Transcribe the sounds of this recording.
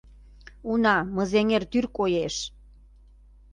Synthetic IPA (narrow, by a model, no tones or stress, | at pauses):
unɑmə̆zeŋert̪yrkojeʃ